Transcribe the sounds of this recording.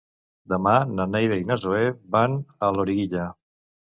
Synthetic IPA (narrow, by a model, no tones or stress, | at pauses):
d̪əmananejɾeiɣnazoebanəloɾiɣiʎə